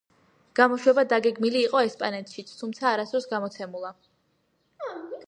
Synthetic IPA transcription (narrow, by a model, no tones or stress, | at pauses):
ɡ̥amɔʃwɛbad̪aɡɛɡmiliːqʼɔɛspʼanɛt̪ʃit̪sʰt̪ʰumt̪sʰaːɾasɔɾsɡamɔt̪sʰɛmulˠa